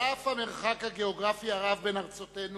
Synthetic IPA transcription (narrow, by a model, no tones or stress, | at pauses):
afhame̞ʁχakhaɡe̞oɡʁafiaʁavbe̞naʁt͡so̞te̞n